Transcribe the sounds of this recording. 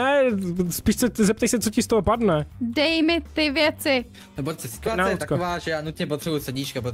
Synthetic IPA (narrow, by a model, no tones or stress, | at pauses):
ɛspiːʃsɛzɛp̚t̪ajsɛt͡socɪst̪oɦopadnɛdɛjmɪt̪ɪvjɛt͡sɪ | nɛbosɛskanaut̪akoovaːʒɛjaːnut̪ɲɛpot̪r̥ɛbujusɛdɲit͡ʃkapɾo